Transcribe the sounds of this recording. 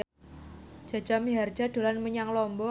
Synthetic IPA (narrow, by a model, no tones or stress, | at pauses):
ʒ̥ä̤d̥d͡ʒ̥a̤miɦard̥ʒ̥a̤d̪̥o̤lanməɲaŋlɔmbɔ